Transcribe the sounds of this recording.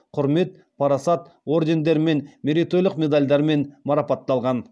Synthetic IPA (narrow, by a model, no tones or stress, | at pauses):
qʰʊɾme̞t̪̚ | pʰɑɾɑsɑt̪ | o̞ɾd̪ʲe̞nd̪e̞ɾme̞nmeɾʲit̪ojlˠəqmʲe̞d̪alʲd̪ɑɾme̞nmɑɾɑpɑt̪ːɑlˠʁɑn